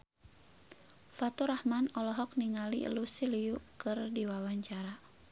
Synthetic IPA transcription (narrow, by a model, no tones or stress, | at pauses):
fat̪uɾahmanɔlɔɦɔk̚niŋalḭlusiliukɨrdiwawaɲt͡ʃaɾa